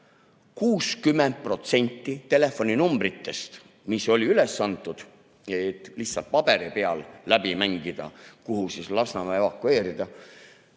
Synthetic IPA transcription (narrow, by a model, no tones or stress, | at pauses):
kuːskymːend̪̚pro̞t̪se̞nʲt̪ːˑit̪e̞le̞fo̞nʲinumbrit̪ːe̞st̪ | miso̞lʲiyle̞sːɑnt̪ːˑud̪̥ | et̪ːˑlih̪sɑ̰lt̪̚pɑb̥e̞ɾipe̞ɑlːæb̥imæŋɡ̥id̪̥ɑ̰kuɦusislɑsnɑmɑevɑkːue̞ːɾid̪̥ɑ